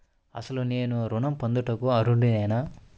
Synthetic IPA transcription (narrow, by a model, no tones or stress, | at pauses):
ɐ̰sɐluneːnuɾunɐmpɐnd̪uʈɐkuɐɾuɳɖinɛːna